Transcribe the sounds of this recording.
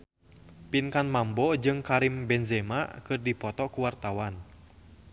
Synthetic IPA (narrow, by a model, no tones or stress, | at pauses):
pinkanmambɔd͡ʒɨŋkaɾimbɛnzɛma̰kɨrdipɔt̪ɔkuwart̪awan